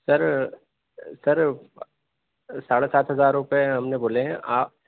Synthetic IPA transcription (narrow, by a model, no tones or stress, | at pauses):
sɐɾ | sɐɾ | saːɽesaːt̪ʰɦɐzaːɾɾʊpeɦɐmneboːleɦɛ̃ʔaː